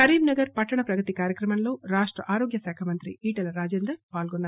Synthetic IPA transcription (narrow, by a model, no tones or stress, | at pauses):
ɐɾiːmnɐɡɐɾpɐʈːɐɳɐpɾɐɡɐt̪ikaːɾjɐkɾɐmɐmlo̞ːɾaːʂʈɾɐ̰ʔaːɾoːɡjɐsɛːkʰɐmɐnt̪ɾḭiːʈɐlɐɾaːd͡ʒeːnd̪ɐpaːlɡonːaːɾ